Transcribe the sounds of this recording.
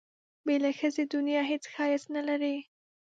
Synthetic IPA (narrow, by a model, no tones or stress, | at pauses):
belaxəzed̪ʊnjɑɦet͡sxɑjasnalaɾi